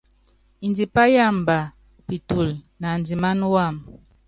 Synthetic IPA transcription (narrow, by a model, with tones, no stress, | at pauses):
i˨ndi˨pa˦ja˦˨mba˨ | pi˨tu˨l | na˨nd͡zi˨ma˦n˦wa˦˨m